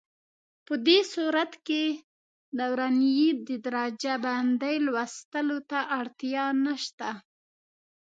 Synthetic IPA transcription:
pəd̪esuɾat̪ke | nawɾanijid̪əd̪ɾɑd͡ʒaband̪ajlwast̪əlot̪aʔaɽt̪ijɑnaʃt̪a

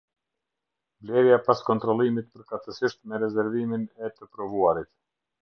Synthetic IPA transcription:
vlɛɾjapaskɔnt̪ɾɔlˠimit̪̚pəɾkat̪əsiʃt̪mɛɾɛzɛɾviminɛt̪əpɾɔvuaɾit̪

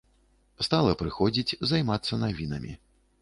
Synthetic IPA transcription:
st̪alˠɐpɾɨxɔd͡zʲit͡sʲzajmat̪sːɐnavʲinɐ̰mʲḭ

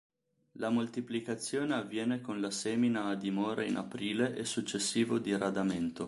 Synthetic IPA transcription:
lamolt̪iplikat̪sːjoːneavːjɛːnekonlaseːminaːd̪imɔːɾaina̰pɾiːleʔesut͡ʃːesːiːvod̪iɾad̪ament̪o

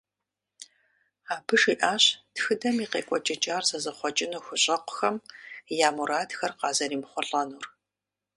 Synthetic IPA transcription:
aːbɨʂiːʔaːɕtxɨdɐmiːqḛːkʷʼɔt͡ʃʼɐt͡ʃʼaːrzɐzɐχʷɔt͡ʃʼɪnuxʷʊɕʼɐqʷʊ̥xɐmjaːmuɾaːdxɐrqɑːzɐɾiːmχʷɔɬʼɐnuːr

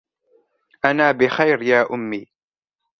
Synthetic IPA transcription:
ʔanaːbɪxajɾjaːʔʊmːiː

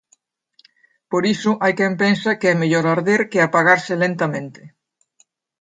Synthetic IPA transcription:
poɾisʊʔajkɛmpensakeɛmeʎoɾaɾðeɾkɪapaɣaɾsɪlent̪amẽnt̪ɪ̥

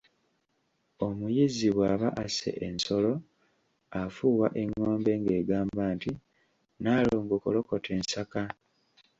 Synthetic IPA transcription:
o̞mujiziβwaːβaʔasḛʔenso̞lo̞ | afuːwa̰ʔe̞ŋːo̞ːmbe̞ŋɡe̞ːɡaːmbaːnti | naːloːŋɡokolo̞ko̞tʰe̞ːnsaka

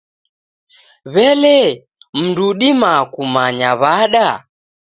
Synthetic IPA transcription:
βɛlɛ | m̩nduɗimakumaɲaβaɗa

